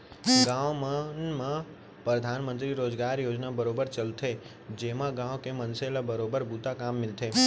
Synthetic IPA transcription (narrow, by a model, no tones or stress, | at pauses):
ɡãʋmanmã | pɾəd̪ʱanmə̃nt̪ɾiɾoːd͡ʒɡaɾjoːd͡ʒnabəɾobəɾt͡ʃəlt̪ʰe | d͡ʒemãɡãʋkemənselabəɾobəɾbut̪akamːɪlt̪ʰe